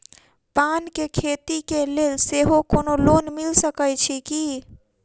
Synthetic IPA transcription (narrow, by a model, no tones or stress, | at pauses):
pankekʰet̪ikelelseɦokonolonmilsəkəjt͡ʃʰiki